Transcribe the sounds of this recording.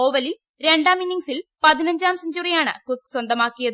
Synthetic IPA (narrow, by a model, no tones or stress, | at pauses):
oːʋɐlil | ɾe̞ɳɖaːminːiŋsilpɐðinɐɲd͡ʑaːmsɐɲd͡ʑuːrijaːɳɨ̰kut̪̚ːswɐnd̪ɐmaːkːijɐð